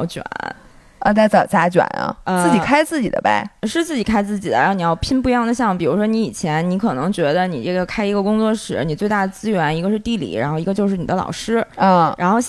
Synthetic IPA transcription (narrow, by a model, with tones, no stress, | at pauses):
ʊt͡ɕɥwa̰˨˩˦n | ə˧t̪a˥˩ɪt͡sɑ˨˩t͡sa˥t͡ɕɥa̰˨˩nɐ̰˧ə˧ɹ̩˥˩t͡ɕi˨˩kʰa˥ɪt͡sɹ̩˥˩t͡ɕḭ˨˩d̪ə̰˦ba̰˧ɪʂɻ̩˥˧t͡sɹ̩˥˩t͡ɕi˨˩kʰa˥ɪt͡sɹ̩˥˩t͡ɕi˨˩ə̰˦˧˥ni˨jɑ˥˧ʊpʰi˥npu˥˧jɑ˥˩ŋd̪ə˩ɕ̬jɑ˥˩ŋpi˨˩ɻu˧˥ʂ̬wɔ˥ni˧˥i˨˩t͡ɕʰjɛ˧˥nni˧˥kʰɤ˨˩nɤ˧˥ŋt͡ɕɥɛ˧˥d̪ə˧ni˨˩ʈ͡ʂɤ˥˩ɡə˩kʰa˥ɪi˧˥ɡə˧kʊ˥ŋt͡swɔ˥˩ʂɻ̩˧˩˥ni˨˩t͡swe˥˧ɪt̪a˥˩d̪ə˩t͡sɹ̩˥ɥɛ˧˥ni˧˥ɡə˧ʂɻ̩˥˧t̪i˥˩lḭ˨˥ɻa˧˥nxo˥˩ʊi˧˥ɡə˧jʊʂɻ̩˥˩ni˨˩d̪ə˦lɑ̰˨˩ʊʂɻ̩˥ə˥˧ɻa˧˥nxo˥˧ʊɕ